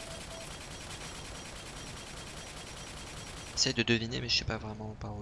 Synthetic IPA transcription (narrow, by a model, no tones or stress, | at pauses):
esɛjd̪əd̪əvinemɛəsɛpavʁɛmɑ̃paʁu